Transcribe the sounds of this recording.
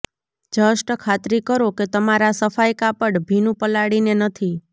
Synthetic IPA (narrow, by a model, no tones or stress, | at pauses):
d͡ʒəʃʈəkʰat̪ɾikəɾoket̪əmaɾasəfajkapəɽbʱinũpəlaɽinenət̪ʰi